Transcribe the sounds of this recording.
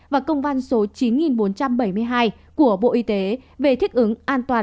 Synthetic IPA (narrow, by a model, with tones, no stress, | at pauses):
vaː˨˩kə˧wŋ͡mva˧nso˨˦t͡ɕi˨˦nŋi˨˩nɓo˨˦nt͡ɕa˧mɓə˧˩jmɨ˧əjɦaː˧j | ku˧˩əɓo̰˧˨ʔi˧t̪e˨˦ve˨˩t̪ʰï˦˥k̟̚ʔɨ˨˦ŋʔaː˧nt̪waː˨˩